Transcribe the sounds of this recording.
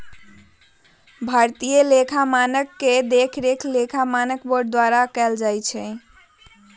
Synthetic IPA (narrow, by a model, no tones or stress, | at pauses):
bʱaɾt̪ijəlekʰamanəkːed̪ekʰɾekʰlekʰamanəkboɾɖd̪waɾakɛld͡ʒajt͡ʃʰɛ